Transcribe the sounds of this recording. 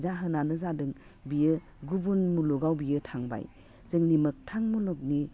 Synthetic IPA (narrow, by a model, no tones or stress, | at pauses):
zaɦɯnanɯzadɯŋ | bijɯ | ɡubunmuluɡawbijɯtʰaŋba̰j | zɯŋnimɯk̚tʰaŋmuluk̚ni